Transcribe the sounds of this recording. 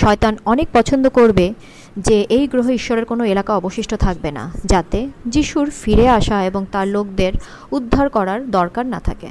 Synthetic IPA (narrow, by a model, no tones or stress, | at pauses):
ʃɔet̪anɔnek̚pɔt͡ɕʰond̪okoɾbe | d͡ʑeʔejɡɾoɦoiʃːoɾeɾkonoelakaɔboʃiʃʈʰot̪ʰak̚bena̰d͡ʑat̪ed͡ʑiʃuɾfiɾeaʃaeboŋt̪aɾlok̚d̪eɾ | ud̪ʱːaɾkɔɾaɾd̪ɔɾkaɾna̰t̪ʰa̰kḛ